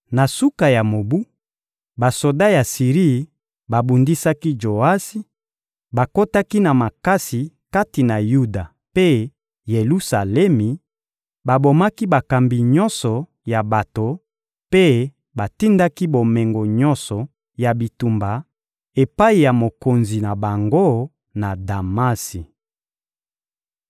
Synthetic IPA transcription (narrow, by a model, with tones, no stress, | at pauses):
na˨su˦ka˨ja˨mo˨bu˦ | ba˨so˨da˦ja˨si˨ʁi˦˨ | ba˨bu˨ndi˦sa˦ki˦d͡ʒo˨a˦si˦ | ba˨ko˦ta˦ki˦na˨ma˨ka˦si˨ | ka˦ti˨na˨ju˦da˨ | pe˦ | je˨lu˦sa˨lɛ˦mi˨ | ba˨bo˨ma˦ki˦ba˨ka˨mbi˨ɲɔ˦nsɔ˨ | ja˨ba˨to˨ | pe˦ | ba˨ti˦nda˦ki˦bo˨mɛ˨ŋɡo˨ɲɔ˦nsɔ˨ | ja˨bi˨tu˨mba˨ | e˨pa˦i˨ja˨mo˨ko˨nzi˨na˨ba˨ŋɡo˦ | na˨da˨ma˦si˨